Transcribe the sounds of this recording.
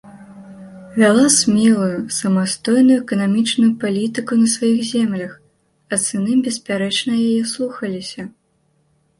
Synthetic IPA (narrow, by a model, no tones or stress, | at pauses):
vʲalˠasʲmʲɛlˠujusɐmast̪ɔjnujuɛkɐnamʲit͡ʂnujupalʲit̪ɨkunɐsvajixzʲɛmlʲɐx | ɐt̪sɨnɨmbʲɛsʲpʲaɾɛt͡ʂnɐjajɛslˠuxɐlʲisʲɐ